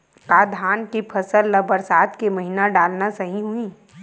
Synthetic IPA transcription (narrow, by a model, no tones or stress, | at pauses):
kaːd̪ʱaːnkipʰɐsəlːɐbəɾsaːt̪kemɐɦinaɖaːlnasɐɦĩɦuĩː